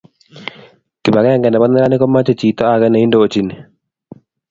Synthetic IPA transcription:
ki˨ba˨ɡɛ˦a˦ŋɡɛ˨ndɛ˨bɔ˦nɛ˦ɾa˦nɪ˦kɔ˦ma˦t͡ʃɔ˨t͡ʃiː˨t̪ɔ˦a˨ɡɛ˦nɛ˨i˦ndoː˦˨t͡ʃi˦ni˨

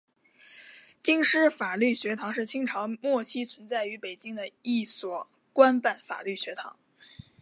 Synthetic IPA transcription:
t͡ɕi˥ŋʂɻ̩˥fa˨˩ly˥˩ɕɥɛ˧˥t̪ʰɑ˧˥ŋʂɻ̩˥˩t͡ɕʰi˥ŋʈ͡ʂʰɑ˧˥ŋmwɔ˥˩t͡ɕʰi˥t͡sʰwə˧˥nt͡sa˥˩ɪy˧˥pe˨˩ɪt͡ɕi˥ŋd̪ə˨i˥˩swɔ˨˩ | kwa˥npa˥˩nfa̰˨˩ly˥˩ɕɥɛ˧˥t̪ʰɑ̰˧˥ŋ

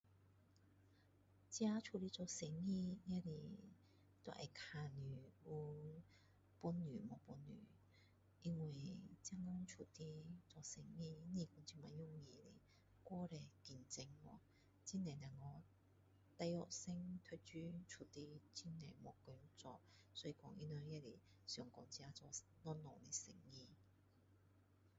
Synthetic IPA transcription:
t͡si˧˦aː˧t͡ʃʰu˨li˧˥t͡sɔː˧se˨˦ŋi˧˥ŋɛ˥˧˥li˧ | t̪o˧˥ʔɐ̰˨˩kʰaː˧ny˨˩u˧ | pu˧nːyː˨˩mɔː˨˧pu˧nːy̰ː˨˩ | ʔi˧ŋwa˨˩jt͡sa˥˧˥ŋɔ˧˥ŋt͡ʃʰu˨˩t̪i˧t͡sɔː˧˨se˨˥ŋːi˧ni˧kɔ˧nt͡si˧˩ma˨jʊ˥ŋji˨˧˩lḛ˨˩ | kɔː˥ɾɛ˨˧˩kiː˧nt͡sɪ˧ŋwɔ˧˩ | t͡si˥nɛː˨˩nɛ˨˩ŋɔ˨˧ | t̪ɐ˧jɔ̰˨k̚sɪ˥ŋt̪ʰɵ˧˥t͡ʃyː˧˥t͡ʃʰu˨˩t̪i˧˥t͡si˥nnɛː˨˩jmɔ˨˧˩kø˧˥t͡sɔ˧k̚ | sɔ˧˥ji˧kɔ˧ŋʔḭ˥nœ˧jɛ˥le˨˩ | sœː˨˩ŋkɔː˨˧˥ŋt͡si˧aː˧˥t͡sɔ˧˩ | nɔ˥nlɔ˨˩le˨˩sɪ̰˨˩ŋːi˧

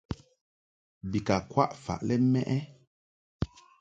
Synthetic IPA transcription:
bi˨ka˨kwa̰˦ʔfa̰˨ʔlɛ˦mɛ˦ʔɛ˦

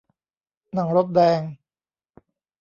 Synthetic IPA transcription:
na˩˦ŋɾo˦˥p̪̚dɛː˧ŋ

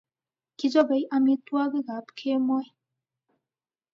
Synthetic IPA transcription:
ki˦zɔ˦be˨jami˧t̪u˦a˦ɡɯ˦ɡa˨˦pkʰe˦mɔ˦j

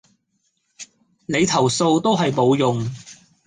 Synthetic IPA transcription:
ne˨˧jt̪ʰɐ˨˩wso˧wt̪o˥wɦɐ˨jpo˨˧wjʊ˨ŋ

